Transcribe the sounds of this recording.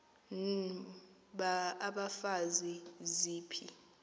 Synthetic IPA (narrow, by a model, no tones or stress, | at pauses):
n | ɓaːɓafaziziːpʰḭ